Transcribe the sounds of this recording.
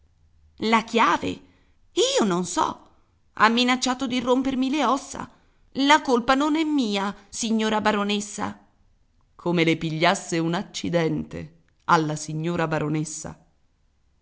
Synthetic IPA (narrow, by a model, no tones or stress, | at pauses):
lakjaːvḛ | iːononsɔ̰ | a̰mːinat͡ʃːaːt̪od̪irːompermileɔsːa̰ | lakolpanonɛmːiːasiɲːoːɾabaɾonesːa̰ | kʰomelepiʎːasːeunat͡ʃːid̪ɛnt̪ḛ | alːasiɲːoːɾabaɾonesːa̰